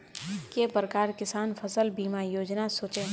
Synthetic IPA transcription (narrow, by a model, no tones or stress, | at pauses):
kepɾəkaːɾkɪsaːnfʰɐsəlbiːmajoːd͡ʒnasoːt͡ʃe